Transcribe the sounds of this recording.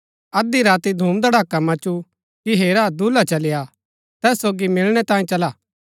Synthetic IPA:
ɐd̪iɾaːt̪id̪ʱuːmd̪aɽaːkːamɐ̃t͡ʃu | kiɦeːɾad̪ulat͡ʃɐlɪja | t̪ɛːsːoːɡimɪlɽ̃ɛt̪ãːĩt͡ʃɐlaː

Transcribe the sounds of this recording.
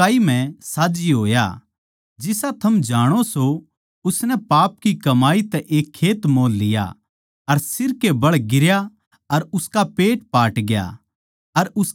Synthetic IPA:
aːimɛ̃saːd͡ʒiɦo̰ːja̰ | d͡ʒɪsat̪ʰɐmd͡ʒaːɽ̃oso | ʊsnɛpaːp̚kikɐmaːit̪ɛʔeːkʰːeːt̪moːlːɪja̰ | ɐɾsɪɾkebɐɽɡɪɾja | ɐɾʊskapeːʈpaːʈɡja̰ | ɐɾʊs

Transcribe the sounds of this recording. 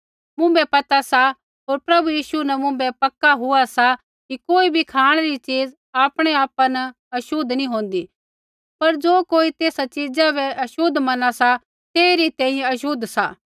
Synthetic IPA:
mʊ̃bɛpɐt̪asa | ɦoːɾpɾɐbujiːʃunɛmʊ̃mbɛpɐkːaɦʊasa | kikoːibʱikʰaːɽ̃eɾit͡ʃiːd͡z | aːpɽ̃eaːpanɐ | ɐʃʊd̪nĩɦõːnd̪i | pɐɾd͡ʒoːkoːit̪eːsat͡ʃiːd͡zabɛʔɐʃʊd̪mɐnasa | t̪eːɾit̪ɛ̃ːĩjɛ̃ɐʃʊd̪sa̰ː

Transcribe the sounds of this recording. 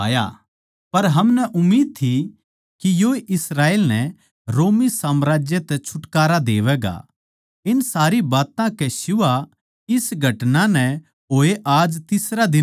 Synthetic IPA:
ja̰ | pɐɾɦɐmnɛʔʊmːiːd̪̚t̪ʰi | kijoːeʔɪsɾaːeːlnɛ | ɾoːmisaːmɾaːd͡ʒjet̪ɛt͡ʃʰʊʈkaːɾad̪eːʋɛːɡa̰ | ɪnsaːɾibaːt̪ãkɛʃʊʋa | ɪsɡʱɐʈnãnɛ | ɦoːeʔaːd͡ʒt̪ɪsɾad̪ɪ

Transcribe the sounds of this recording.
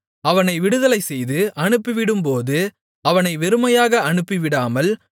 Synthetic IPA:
ɐʋɐnɐɪʋɪɽɯðɐlɐɪsɛjðɯʔɐɳɯpːɪʋɪɽɯmpoːðɯ | ɐʋɐnɐɪʋɛɾɯmɐjaːɣɐɐɳɯpːiʋɪɽaːmɐl

